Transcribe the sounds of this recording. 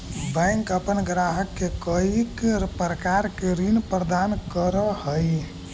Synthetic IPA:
bɛ̃ŋkəpənɡɾaɦəkːekəikpɾəkaɾkeɾinpɾəd̪ankəɾəhəj

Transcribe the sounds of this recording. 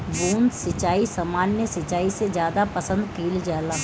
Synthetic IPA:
buːnsɐt͡ʃaːisɐmaːnːjəsɐt͡ʃaːised͡ʒjaːd̪apɐsə̃nd̪kiːld͡ʒaːla

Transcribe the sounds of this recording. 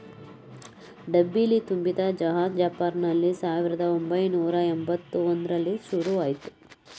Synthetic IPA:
ɖɐbːilit̪umbid̪ɐd͡ʒɐɦaːd͡ʒjaːpaːɾnɐlːisaːʋiɾɐd̪ɐombɐjnuːɾɐembɐt̪ːuond̪ɾɐlːiʃuɾuaːjit̪u̥

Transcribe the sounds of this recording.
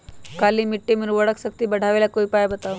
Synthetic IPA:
kaliːmiʈːemiɾʋəɽəksək̚t̪iːbəɽ̤ʱaʋelakoipajbət̪aʋ

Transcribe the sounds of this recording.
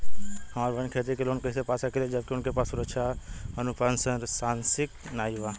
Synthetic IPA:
ɦəmaːɾbʱənkʰeːt̪ikeloːnkəisepaːsakeled͡ʒəb̚kiʊnkepaːsuɾət͡ʃʰaənupansəɾsãːnsɪk | naːjʋa

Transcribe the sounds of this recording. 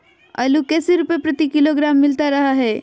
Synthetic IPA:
ɐ̰lukɛːseɾupepɾɐt̪ikɪloɡɾaːmːɪlt̪aɾɐɦaɦɛː

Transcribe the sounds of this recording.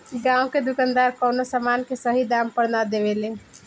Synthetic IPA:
ɡãũked̪ukand̪aɾkɔʊnosamankesəɦid̪ampəɾnad̪eʋelẽ

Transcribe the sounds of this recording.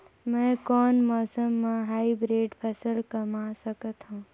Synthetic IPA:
mɛ̃ːkɔːnmɔːsəmːãɦaːibɾeːɖpʰəsəlkəmasəkət̪ɦũː

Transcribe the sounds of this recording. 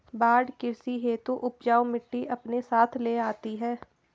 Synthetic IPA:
baːɖkɪɾsiɦeːt̪uʔʊpd͡ʒaːomɪʈːiʔɐpnesaːt̪ʰleːaːt̪iɦɛː

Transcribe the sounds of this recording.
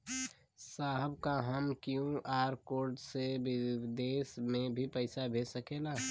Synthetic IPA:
saːɦəbkaɦəmkjũʔaːɾkoːɾɖsebɪd̪eːsmẽbʱipəɪsabʱeːsəkelaː

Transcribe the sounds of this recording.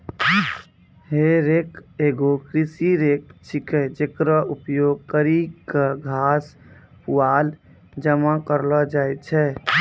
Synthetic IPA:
ɦeɾekeɡokɾisiɾek̚t͡ʃʰikɛd͡ʒekɾəupjoɡ̚kəɾikəɡʱas | puwal | d͡ʒəmakəɾlɔd͡ʒajt͡ʃʰɛ

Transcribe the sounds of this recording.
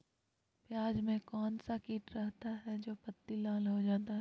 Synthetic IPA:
pjaːd͡ʒmẽkɔːnsakiːʈɾɛɦt̪aɦɛd͡ʒoːpɐt̪ːilaːlɦod͡ʒaːt̪aɦ

